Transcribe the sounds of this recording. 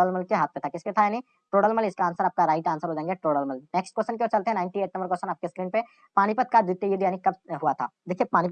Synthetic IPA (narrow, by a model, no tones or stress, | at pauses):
ɽəlməlkeɦaːt̪̚ʰmet̪ʰakɪsket̪ʰajaːni | ʈoːɽəlməlɪskaːnsaɾaːp̚kaɾaːɪʈaːnsaɾɦod͡ʒãːẽŋɡeʈoːɽəlməlneːksʈkəst͡ʃənkeoːɾt͡ʃɐlt̪eɦɛ̃naːɪɳʈieːʈ̚nɐmbəɾk̬əɾsʃənaːp̚keskɾiːnpe | paːñipɐt̪̚kad̪ɪt̪ːejɪd̪jaːnikɐbɦuat̪ʰa̰ːd̪eːkʰiepaːñi